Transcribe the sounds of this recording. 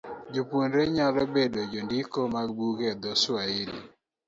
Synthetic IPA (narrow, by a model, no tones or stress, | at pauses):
d͡ʒoponɾeɲalɔbedod͡ʒondikomaɡbuɡɛd̪ɔswaɪnḭ